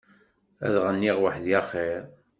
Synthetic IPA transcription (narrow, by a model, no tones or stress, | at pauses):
æ̰ðʁənːiʁwəħðjæχeɾ